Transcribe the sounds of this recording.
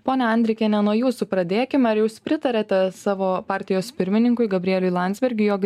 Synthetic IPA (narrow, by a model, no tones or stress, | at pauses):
poːnʲɛɐnʲd̪ʲɾʲɪkʲeːnʲɛnuɔjuːsʊpɾɐd̪ʲeːkʲɪmɐɾjuːspʲɾʲɪt̪ɐɾʲet̪ʲɛsɑːʋoːpɑːɾʲt̪ʲɪjoːspʲɪɾʲmʲɪnʲɪŋkʊɪɡɐbʲɾʲeːlʲʊɪlˠɑˑnd̪zʲbʲɛɾʲɡʲɪjoːɡ